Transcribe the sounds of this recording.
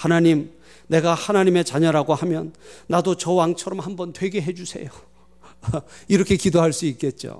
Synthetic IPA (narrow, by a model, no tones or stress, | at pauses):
hanaɲim | ne̞ɡahanaɲime̞t͡ɕaɲʌɾaɡohamjʌnːadot͡ɕʌwaŋt͡ɕʰʌɾʌmhambʌntwe̞ɡe̞ɦe̞d͡ʑusʰe̞̰jo | iɾʌkʰe̞kidoɦaɭs͈uik͈̚e̞t̚t͡ɕ͈o̰